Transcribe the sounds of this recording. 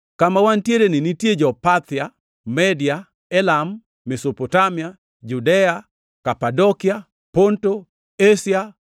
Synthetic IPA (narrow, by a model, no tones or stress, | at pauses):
kamawantjeɾenɪnitjed͡ʒɔpat̪ja | mɛdja | ɛlamː | esopotamia | d͡ʒudɛa | kapadɔkia | ponto | esja